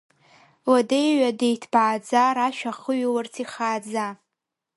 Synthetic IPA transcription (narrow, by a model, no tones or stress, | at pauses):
wadejɥadejtʰb̥aːd͡zaɾaʃᶣaχəɥiwart͡sʰiχaːd͡za